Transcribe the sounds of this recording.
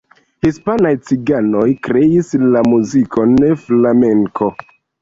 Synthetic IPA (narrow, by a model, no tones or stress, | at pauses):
hispanajt͡siɡano̞jkɾe̞islamuziko̞neflame̞ŋkʰo̞